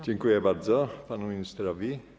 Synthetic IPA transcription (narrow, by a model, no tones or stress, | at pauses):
t͡ʃeŋkujɛbaɾd̪zɔpanuminist̪ɾavi